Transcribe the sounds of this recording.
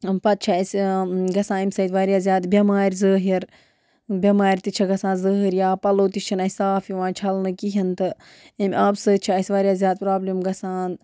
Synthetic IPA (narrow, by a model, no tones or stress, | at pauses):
mpɐt̪̚t͡ʃʰɐɐsɡɐsãːimʲsɐːt̪ʋaːɾʲijaːzʲjaːd̪bʲɐmaːɾʲzəːɦiɾ | bʲɐmaːɾʲt̪it͡ʃʰɐɡɐsãːnzəːɦiɾjaːpɐloːt̪it͡ʃʰinɐsʲsaːfjiʋãːt͡ʃʰɐlnɨkiɦɐnt̪ɨ | imʲaːbsəːt̪̚t͡ʃʰiɐsʲʋaːɾʲjaːzʲjaːd̪̚pɾaːblimɡɐsaːn